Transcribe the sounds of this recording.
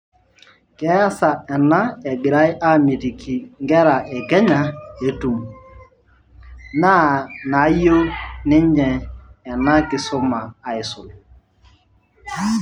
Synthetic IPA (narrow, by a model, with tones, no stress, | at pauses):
kɛ˦a˦sa˨ɛ˨na˦ɛ˨ɡi˨ɾa˦jʔa˦mi˨ti˨kʰi˨ŋ˦ɡɛ˦ɾa˨ɛ˨ɡɛ˦ɲa˦e˨tu˨m | na˦na˨˦jo˦nɪ˦ɲ˦d͡ʒɛ˨ɛ˨na˦kɪ˨sʊ˦maː˨i˨sʊ˨l